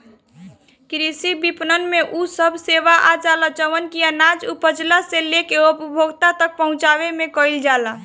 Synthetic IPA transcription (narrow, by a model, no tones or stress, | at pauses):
kɾisibipnənmeʔusəbʱseʋaʔad͡ʒalat͡ʃəʋənkiənad͡ʒupəd͡ʒlaselekeopbʱoɡt̪at̪ək̚pəɦʊ̃t͡ʃaʋemẽkəild͡ʒala